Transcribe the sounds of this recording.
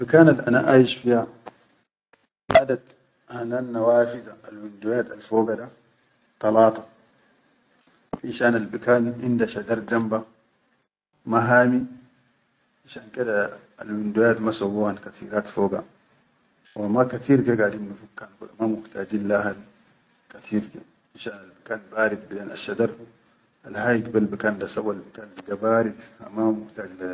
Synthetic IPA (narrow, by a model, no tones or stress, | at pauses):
bikaːnalʔa̰naʔajiʃfia | ʔad̪ad̪ | hananːawaːfizaalwind̪ujaːt̪alfoːɡada | t̪ɑlɑːt̪ˤɑ̥ | ʔiʃaːnalbikaːnʔindaʃad͡ʒɑɾˤd͡ʒamba | maɦaːmi | ʔaʃaːnked̪a | a̰lwind̪ujaːt̪masowːuːhankat̪ḭːɾaːt̪foːɡa̰ | wʔamakat̪iːɾɡaɡadimnufukːankudamamuht̪aːd͡ʒilːahan | kat̪ʰiːɾka | inʃaːnalbikaːnbaːɾid̪̚bid̪aːna̰ʃːad̪ɑɾˤ | alhajikbalbikaːndasawːalbikaːnliɡabaːɾit̪a̰mamuht̪aːd͡ʒlaa